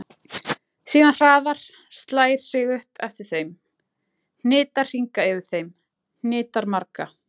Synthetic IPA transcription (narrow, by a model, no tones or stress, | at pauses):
siːðanr̥aːðaɾ̥ | st̪laːjɾ̥sɪɣʏhpʰɛft̪ɪɾ̥θejm | n̥nɪːt̪ar̥r̥iŋkaɛvɪɾ̥θejm | n̥nɪːt̪aɾmaɾka